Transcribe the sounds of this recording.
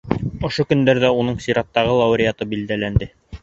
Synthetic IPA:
ŏʃokɵ̆nd̪æɾðæunɤɴsiɾɑt̪ːɑʁɤlˠɑwɾʲɪjɑt̪ɤbild̪ælænd̪ɘ

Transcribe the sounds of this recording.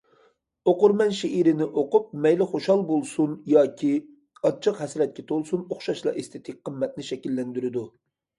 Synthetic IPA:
oqʊɾmɛnʃeiɾɪnɪʔoqʊp̚mɛjlɪχoʃɑlˠbolˠsunjɑːkʲʰi | ɑt͡ʃʰːəqɦɛsɾɛt̪̚kʲɛt̪ʰolˠsunoχʃɑʃlˠɑ̰ʔest̪ʰɪt̪ʰɪk̚ʲqʰːəmːɛt̪̚nɪʃɛkʲilːɛnd̪yɾɪd̪u

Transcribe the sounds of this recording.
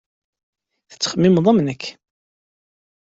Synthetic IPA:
θə̥t͡sːə̥χəmːimðˤɑmnəkː

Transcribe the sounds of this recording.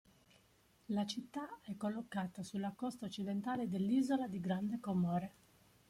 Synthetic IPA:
lat͡ʃit̪ːaɛkːolːokːaːt̪asulːakɔst̪aot͡ʃːid̪ent̪aːled̪elːiːzolad̪iɡɾand̪ekomɔːɾe

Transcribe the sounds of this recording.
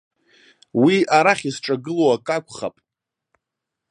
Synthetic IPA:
wiaɾaχʲisʈ͡ʂʼaɡɨloakʼakʷʰʼχa̰pʼ

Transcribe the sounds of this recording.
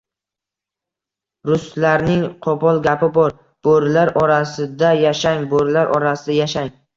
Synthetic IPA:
ɾʊst̪laɾnɪŋqʰɒpʰɒlˠɡʲapɪbɒɾ | b̥oɾlaɾʔɒɾasɪd̪ajaʃaŋboɾlaɾʔɒɾasɪd̪ajaʃaŋ

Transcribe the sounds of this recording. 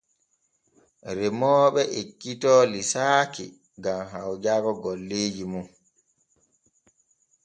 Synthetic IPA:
ɾɛmɔːɓɛʔekːitɔːlisaːkḭ | ɡamɦawd͡ʒaːkɔɡɔlːeːd͡ʒimun

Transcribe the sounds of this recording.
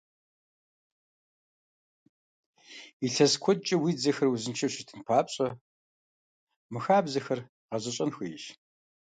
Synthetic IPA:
iɬɐskʷʰɔt͡ʃʼɐwiːd͡zɐxɐrwuzɨnt͡ʃʰɐɕɪtʰɨnpʰaːpɕʼɐ | mɨxaːbzɐxɐr | qɐzɐɕʼɐnxijʃ

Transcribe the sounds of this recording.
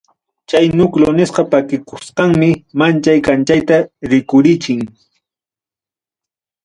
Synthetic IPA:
t͡ʃajnʊklonɪsqɑpakɪkʊsqɑŋmɪmant͡ʃajkant͡ʃajt̪aɾɪkʊɾɪt͡ʃɪŋ

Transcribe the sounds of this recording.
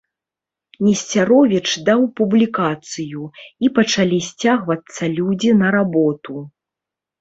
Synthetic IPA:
nʲɛsʲt͡sʲaɾɔvʲit͡ʂd̪awpublʲikat̪sɨjuipɐt͡ʂalʲisʲt͡sʲaɣvɐt̪sːɐlʲud͡zʲinɐɾabɔt̪u

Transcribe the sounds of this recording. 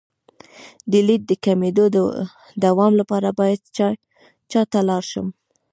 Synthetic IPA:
d̪əlid̪̚d̪əkamed̪od̪̰ | d̪awɑmlapɑɾabɑjad̪ | t͡ʃɑt̪alɑɾʃə̰m

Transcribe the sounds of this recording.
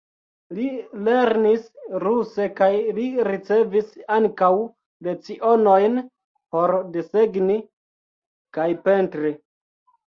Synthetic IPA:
lile̞ɾnisɾuse̞kajliɾit͡se̞visaŋkaw | let͡siʔo̞no̞jn | po̞ɾdeseɡni | kajpe̞ntɾi

